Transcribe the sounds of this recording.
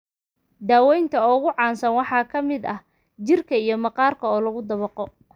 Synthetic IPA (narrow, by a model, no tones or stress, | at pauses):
d̪aːwɛjnt̪ʰɐɔɣʊʕɑːnsɐnwɑħɑːkʰɐmɪd̪ɐh | t͡ʃɪrkʰɐijɞmɑqɑːrkʰɐɔːlɐɣʊd̪ɐβɐqɔ